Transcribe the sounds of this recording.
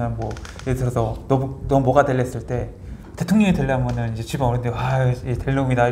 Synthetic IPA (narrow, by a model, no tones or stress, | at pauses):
anmwʌ | etʰɯɾʌsʰʌnʌnʌmumwʌɡadeɭːʌes͈ɯɭt͈e̞ | te̞tʰoŋɲʌŋiteɭːʌɦamjʌnɯnid͡ʑe̞t͡ɕibaʌɾɯndewaeteɭːomida